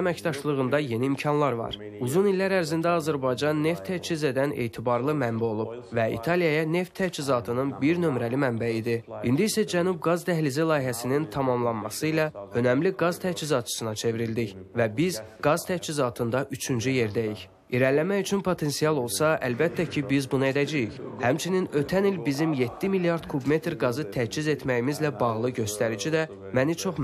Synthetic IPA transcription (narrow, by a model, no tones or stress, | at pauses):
æmæcd̪ɑʃlˠɯʁɯnd̪ɑje̞niːmcʰɑnlˠɑɾvɑ̰ɾ | uzunilːæɾæɾzind̪æɑzæɾbɑjd͡ʒɑnːe̞ft̪ʰːæt͡ʃʰize̞d̪æne̞̰ːt̪ʰibɑɾlˠɯmæmbæo̞lˠub̥ | væḭt̪ʰɑlijɑjɑne̞ft̪ʰːæt͡ʃʰizɑt̪ʰɯnɯnbiɾnø̞mɾælimæmbæid̪iind̪iisæd͡ʒænub̚ɡɑzt̪ʰæɦlizilˠɑːiɦæsinint̪ʰɑmɑmlˠɑnmɑsɯilɑø̞næmliɡɑz̥t̪ʰæt͡ʃʰizɑt̪̚t͡ʃʰɯ̥sɯnɑt͡ʃʰe̞viɾild̪içvæbizɡɑzt̪ʰæt͡ʃʰizɑt̪ʰɯnd̪ɑʔyt͡ʃʰynd͡ʒyje̞ɾd̪æjiç | iɾænlːæmæyt͡ʃʰynpʰo̞t̪ʰe̞nsijɑlˠo̞lˠsɑælbæt̪ʰːæcʰibizbunɑe̞d̪æd͡ʒæjiçhæmt͡ʃʰininø̞t̪ʰænilbizimje̞t̪ːimiljɑɾd̪̥kʰubme̞t̪ɾɡɑzɯt̪ʰæt͡ʃʰize̞t̪mæjimizlæbɑʁlˠɯɟø̞st̪æɾid͡ʒid̪æ | mænit͡ʃʰo̞χ